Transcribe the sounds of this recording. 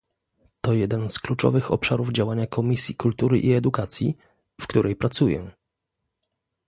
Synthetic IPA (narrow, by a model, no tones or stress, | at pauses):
t̪ɔjɛd̪ɛnsklut͡ʂɔ̰vɘxɔ̰pʂaɾuvd͡ʑawaɲakʰɔmʲisʲjikult̪uɾɘʔiɛd̪ukat̪sʲjḭ | fkt̪uɾʔɛjpɾat̪sujɛ̰